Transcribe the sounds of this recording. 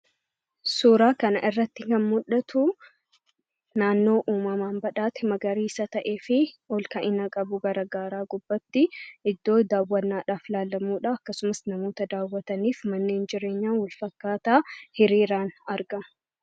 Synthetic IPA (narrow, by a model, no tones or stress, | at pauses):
suːɾaːkɐnɐʔɪrːɐt̪ːɪkɐnmʊᶑɐt̪ʊ | naːnːo̞ːʔuːmɐmaːnbɐᶑaːt̪ɪmɐɡɐɾiːsɐt̪ɐʔe̞ːfɪɔlkɐʔɪnɐkʼɐbʊɡɐɾɐɡaːɾaːɡʊb̥ːɐt̪ːɪʔɪd̪ːo̞ːd̪aːwːɐnːaːᶑaːflaːlːɐmuːᶑaːɐkːɐsʊmɐsnɐmo̞ːt̪ɐd̪aːwːɐt̪ɐniːfmɐnːe̞ːnd͡ʒɪɾe̞ːɲːaːnwɐlfɐkːaːt̪aːhɪɾiːɾaːnɐɾɡɐ